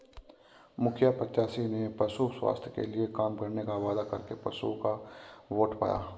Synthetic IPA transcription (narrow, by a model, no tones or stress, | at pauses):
mʊkʰjapət͡ʃʃaːsinepɐsuswa̰ːst̪ʰjkḛliekaːmkɐɾnekaʋaːd̪akɐ̰ɾkepɐsṵkaʋoːʈpa̰ja̰ː